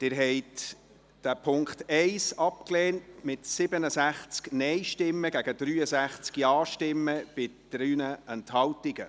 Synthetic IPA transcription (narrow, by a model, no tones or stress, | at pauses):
d̥ɪɾɦɛɪt | d̥æpʰʊŋktɛɪsɑpkleːntmɪtsɪbənəsæχt͡sknɛjʃtɪmːəɡæɡədɾyːəsæχt͡skjɑːʃtɪmːəb̥ɪd̥ɾyːnəɛnthɑlwtiɡ̥ə